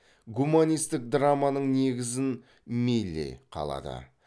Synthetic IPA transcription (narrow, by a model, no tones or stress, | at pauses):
ɡumanʲijst̪ɪk̚d̪ɾamanəɴne̞ɡʲɪzɪn | mejlʲːḛjqʰɑ̰lˠɑ̰d̪ə̰